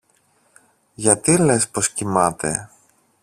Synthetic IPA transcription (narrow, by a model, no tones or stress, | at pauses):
ʝɐt̪ile̞spo̞scimɐt̪e̞̰